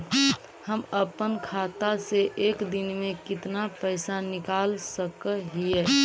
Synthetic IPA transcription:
həməpənkʰat̪aseʔeːkd̪ɪnmẽkɪt̪napəɪsanɪkalsəkəɦiɛː

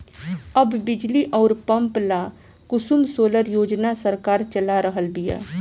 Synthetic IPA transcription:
əbːɪd͡ʒliʔɔːɾpəmplaː | kʊsumsoːləɾjoːd͡ʒnasəɾkaːɾt͡ʃəlaɾəɦəlbija̰ː

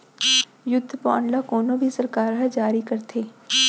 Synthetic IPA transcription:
jʊd̪ʱːpɔːɳlakoːnõbʱisɐɾkaːɾɦɐd͡ʒaːɾikɐɾt̪ʰeː

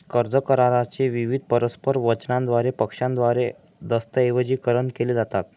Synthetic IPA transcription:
kəɾd͡zəkəɾaɾat͡ɕeʋiʋid̪̚ʱpəɾəspəɾʋət͡ɕnãnd̪ʋaɾepəkʂãnd̪ʋaɾe | d̪əst̪əeʋəd͡ʑiːkəɾəɳkeled͡zat̪at̪̚

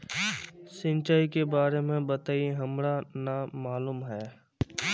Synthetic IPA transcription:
sɪ̃nt͡ʃaːikebaːɾemẽbət̪aːieɦɐmɾanamaːluːmɦɛː

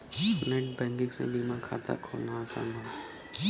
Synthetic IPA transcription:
sneʈbɛ̃ːŋɡɪ̃ksḛ̃biːmãkʰa̰ːt̪a̰kʰoːlnat͡ʃã̰nd̪ʱa

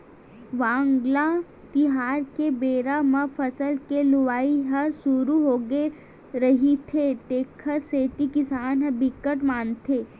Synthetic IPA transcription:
ʋãːŋɡla | t̪iɦaːɾkebeːɾamɐfʰəsəlkeluʋaːiɦəsuɾuɦoːɡe | ɾəɦit̪ʰet̪eːkʰəseːt̪ikisaːnɦɐbikːəʈmaːnt̪ʰe

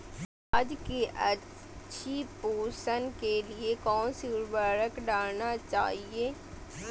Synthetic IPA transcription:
aːd͡ʒkiʔɐ | ʃʰipoːsənkeliekɔːnsiːɾbaːɾəkɖaːlnat͡ʃa̰ːɦieː

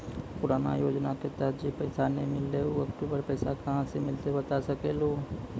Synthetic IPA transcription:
pʊɾaːna̰joːd͡ʒnaket̪ət̪d͡ʒepɛːsanemɪlːeoɐkʈuːbəɾpɛːsakɐɦãsemɪlt̪ebət̪asəkeloː

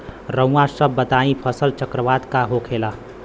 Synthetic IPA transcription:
ɾə̃ãsəbːət̪aːĩpʰəsəlt͡ʃəkɾəʋaːd̪kaɦokʰela

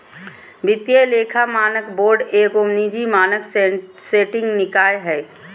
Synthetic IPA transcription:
bɪt̪jeleːkʰamaːnəkboːɾɖeːkomnid͡ʒimaːnək | seːʈɪ̃ŋɡnɪkaːjɦɛː

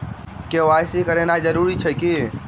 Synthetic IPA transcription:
keʋajsikəɾenad͡ʒəɾuɾit͡ʃʰɛki

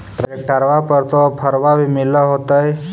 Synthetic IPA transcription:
ʈɾeʈəɾʋapəɾt̪opʰəɾʋabʱimɪləɦot̪əj

